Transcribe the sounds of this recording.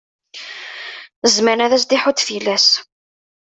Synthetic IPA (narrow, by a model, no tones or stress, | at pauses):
zmæɾnæðæs̬d̪iħʊt̪filːæs